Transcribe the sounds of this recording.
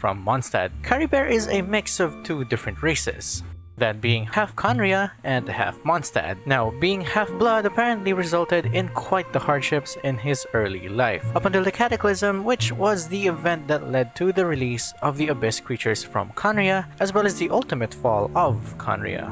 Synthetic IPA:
fɹʌ̰̃mːɑ̃nstæ̰d̚kʰɛɹibɛɹʔɪzɨmɪksʌv̥tʰudɪfɹɨ̃nt̚ɹeɪsɪ̰z̥ | ðɨt̚b̥iɪ̃ŋhæfkʰɑ̃nɹiəɨ̃ndhæ̰fmɑ̃nstæ̰d̚naʊbiɪ̃ŋhæfblʌdəpʰɛɹɨ̃ntˡliɹɨzʌlˠtɨɾɪ̃nkʰw̥aɪt̪̚ðəhɑɹd̥ʃɪpsɪ̃nɪzɜ˞lˠḭlaɪfʌpʌ̃ntəlˠðɨkʰæɾɨkl̩ˠɪzə̃mwɪt͡ʃwʌzðiɨvɛ̃nt̪̚ðɨtˡlɛd̚tʰɨðɨɹɨlisʌvðiɨbɪskʰɹ̥it͡ʃə˞z̥fɹʌ̰̃mkʰɑ̃nɹiɨʔɨzwɛlˠɨzðiʔʌlˠtɨmɨtfɔlˠʌvkʰɑ̰̃nɹḭɨ̰

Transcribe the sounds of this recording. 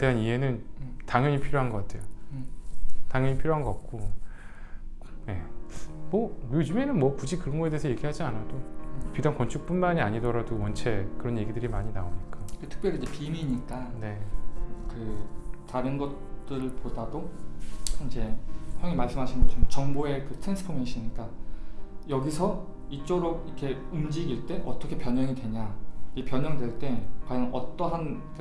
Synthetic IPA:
te̞ɦaniɦe̞nɯntaŋjʌɲipʰiɾjoɦanɡʌk͈atʰe̞̰jo | taŋjʌɲipʰiɾjoɦanɡʌat̚k͈o | je̞mʌjod͡ʑume̞nɯnmwʌpud͡ʑikɯɾʌnɡʌedeesʰʌje̞ɡiɦad͡ʑianadopidaŋkwʌnt͡ɕʰuk̚p͈unmaɲiaɲidʌɾadomʌnt͡ɕʰe̞kɯɾʌnje̞ɡidɯɾimaɲinaoɲik͈aɾetʰɯ̥k̚pjʌɾɯid͡ʑepimiɲik͈ane̞ | kɯtaɾɯnɡʌt͈ɯɾɭpodado | ind͡ʑe̞hjʌŋimaɭs͈ɯmɦaɕʰinɡʌt͡ɕʰʌmot͡ɕʌŋboe̞kɯtʰɾensʰɯ̥pʰomjʌŋɕʰiɲik͈a | jʌɡisʰʌ | it͡ɕ͈oɾoɡ̚ikʰe̞umd͡ʑiɡiɭt͈e̞ʔʌt͈ʌkʰe̞pjʌɲʌŋidwe̞ɲakepjʌɲʌŋdwe̞ɭt͈e̞kwajʌŋʌ̰t͈ʌɦan | k

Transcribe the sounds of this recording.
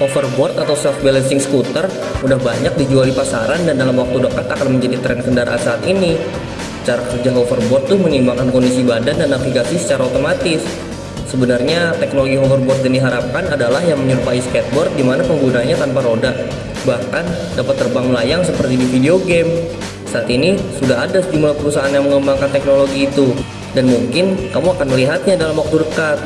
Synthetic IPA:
ʔofərbɔrt̪at̪awsɛf̚bɛlɛnsɪŋsə̥kut̪ər | udahbaɲak̚did͡ʒualipasa̰ɾandandalamwak̚t̪udəkat̪akanməɲd͡ʒadit̪ɾɛnkəndaɾa̰a̰saːt̪ini | sə̥t͡ʃaɾakərd͡ʒaɦofərbɔrt̪ːʊhmənimbaŋkankɔndisibadandanaklikasisə̥t͡ʃaɾaot̪omat̪ɪs | səbənarɲat̪ɛknoloɡiɦɔfərbɔrt̪̚dandiɦaɾap̚kanadalahjaŋməɲərpaisəkɛt̪̚bɔrt̪̚dimanapəŋɡunaɲat̪anpaɾodaʔ | bahkan | dapat̪ːərbaŋməlajaŋsəpərt̪idifideoɡɛm | saat̪inisudaɦadasd͡ʒumulapəɾusaʔːnjaŋməŋəmbaŋkant̪ɛk̚noloɡiːt̪u | danmuŋkɪnkamuakanməliɦat̪̚ɲadalamwak̚t̪uɾəkat̪̚

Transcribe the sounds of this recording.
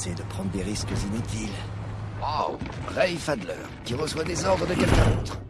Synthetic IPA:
sed̪əpχɑ̃d̪ʁd̪eʁiskzinyt̪ʰil | aʁɛjfad̪lœ̰ːʁkʲiʁəswad̪ezɔʁd̪ʁəd̪əkɛlkɛ̃oːt̪χ

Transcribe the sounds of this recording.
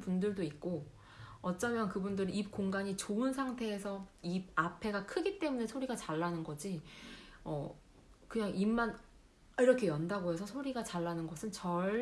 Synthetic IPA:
pundɯɭdoik̚k͈o | ʌt͡ɕ͈ʌmjʌnkɯbundɯɾɯip̚k͈oŋɡaɲit͡ɕoɯnsʰaŋtʰe̞ːsʰʌib̚apʰe̞ɡakʰɯɡit͈e̞mune̞sʰoɾiɡat͡ɕaɭːanɯnɡʌd͡ʑi | ʌ̰ | kɯɲaŋimːan | iɾʌkʰejʌndaɡoɦe̞sʰʌsʰoɾiɡat͡ɕaɭːanɯnɡʌsʰɯnt͡ɕʌ

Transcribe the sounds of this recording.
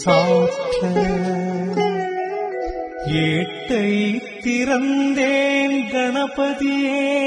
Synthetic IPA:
saːʈɐ | jeːʈːɐjt̪ːɪɾɐnd̪eːnɡɐɳɐpɐðije

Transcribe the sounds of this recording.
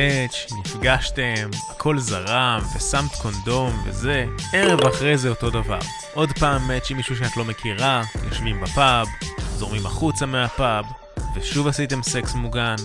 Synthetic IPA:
et͡ʃnifɡaʃte̞makʰo̞lzaʁamve̞samt̪kʰo̞ndo̞mve̞̰ze̞e̞ʁe̞vaχʁe̞jzeo̞to̞dava̰ʁ | ʔo̞dpaːmːet͡ʃimiʃuʃ̬eat̪lo̞me̞kʰiʁajo̞ʃvimbapabzo̞ʁmima̰χut͡sameapab | veʃuvasite̞mse̞ksmuɡan

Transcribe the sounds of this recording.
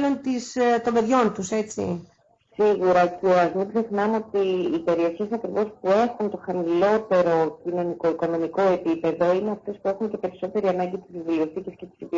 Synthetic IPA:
lo̞nt̪ist̪o̞mbe̞ðʝo̞nt̪use̞t͡sḭ | siɣuɾɐceoɐzmibzexnɐmo̞t̪iːpe̞ɾio̞çe̞sɐkɾivo̞spue̞xunt̪o̞xɐmilo̞t̪e̞ɾo̞cino̞niko̞iko̞no̞miko̞e̞pipe̞ðo̞ine̞ɐft̪e̞spue̞xunce̞pe̞ɾiso̞t̪e̞ɾiɐnɐɲɟit̪izðivulioθicescest̪i̥sipi

